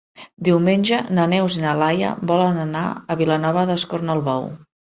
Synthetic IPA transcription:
d̪iwmenʲʒənənɛwzinəlajə̰βɔlənəna̰əβilənɔβəðəskoɾnəlˠβɔw

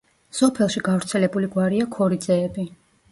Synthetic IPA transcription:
sɔpʰɛlˠʃiɡavɾt̪sʰɛlɛbuliɡwaɾiakʰɔɾid̪zɛːbi

